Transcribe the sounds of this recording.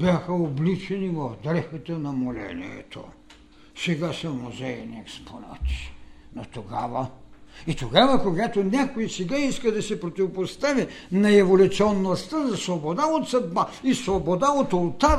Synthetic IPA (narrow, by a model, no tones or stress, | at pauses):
bʲjaxəoblit͡ʃɛnivɐvd̪ɾɛxɐt̪ɐnɐmolɛ̰nḭɛ̰t̪o̰ | sɛɡasɐmuzɛiniɛkspʰona̰t̪i̥not̪oɡavəit̪oɡavɐkoɡat̪onʲakoisɛɡaiskəd̪ɐsɛpɾot̪ivopost̪avinɐɛvolʲʊt̪siɔnːost̪əzɐsvobod̪aot̪sɐd̪baisvobod̪aot̪olˠt̪aɾ